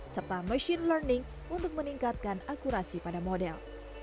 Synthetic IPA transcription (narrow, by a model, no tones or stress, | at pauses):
sərt̪aməʃinlərnɪŋ | unt̪ʊk̚məniŋkat̪̚kanakuɾasipadamodɛl